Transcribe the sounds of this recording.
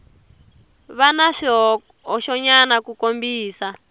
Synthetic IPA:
βanaʂɔ | ɔʃɔɲanakukombiːsa

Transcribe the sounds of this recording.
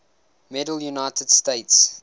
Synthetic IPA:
mɛdəl̩ˠjunaɪtʰəd̥steɪts

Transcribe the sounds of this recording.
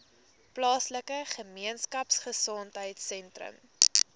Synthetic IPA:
plɑːsləkəχəmiənskɐpsχəsɔntɦəjtsɛntrə̰m

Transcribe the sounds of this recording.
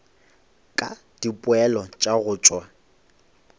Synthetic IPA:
kʼa | d̥ipʼʊɛlɔt͡ʃʼaɣʊːt͡ʃʼwa

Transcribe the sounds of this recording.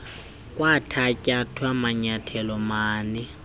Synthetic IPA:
kʼwatʰacʼatʰwamaɲatʰɛlɔmaːnɪ

